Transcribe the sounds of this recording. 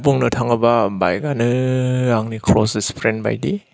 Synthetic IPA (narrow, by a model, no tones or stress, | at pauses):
puŋnɯtʰaŋɯbaba̰jɡanɯaŋnikʰɾɔsespʰɾenba̰jdi